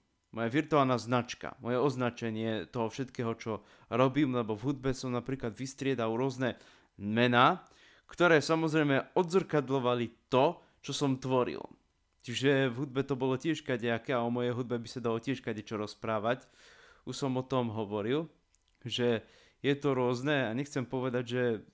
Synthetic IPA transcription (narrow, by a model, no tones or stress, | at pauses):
mɔjaʋiɾt̪ualnaːznat͡ʃka̰mɔjɛɔznat͡ʃɛɲɪɛt̪ɔɦɔfʃɛt̪kɛːɦɔt͡ʃɔ | ɾɔbiːmlɛbɔvɦud̪̚bɛsɔmnapɾiːklad̪ʋist̪ɾɪɛd̪aʊɾʊɔznɛ | mɛnaː | kt̪ɔɾɛːsamɔzɾɛjmɛɔd̪zr̩kad̪lɔʋalit̪ɔ | t͡ʃɔsɔmt̪ʋɔɾḭl | t͡ʃiʒɛvɦud̪̚bɛt̪ɔbɔlɔcɪɛʃkaɟɛakɛaɔmɔjɛjɦud̪bɛbisad̪alɔcɪɛʃkaɟɛt͡ʃɔɾɔspɾaːʋac | uʃsɔmɔt̪ɔmɦɔʋɔɾil | ʒɛ | jɛt̪ɔɾʊɔznɛaɲɛxt͡sɛmpɔʋɛd̪aɟʒɛ